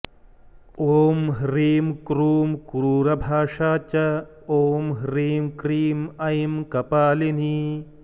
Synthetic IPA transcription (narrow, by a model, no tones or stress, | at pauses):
oːmɦɾiːmkɾuːmkuɾuːɾɐbʱaːʂaːt͡ʃɐ | oːmɦɾiːmkɾiːmɐjmkɐpaːlini